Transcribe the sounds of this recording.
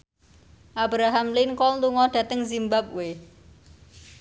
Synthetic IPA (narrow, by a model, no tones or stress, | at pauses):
ʔabɾaɦamlɪnkɔlluŋɔɖ̥ä̤t̪əŋzimbap̚we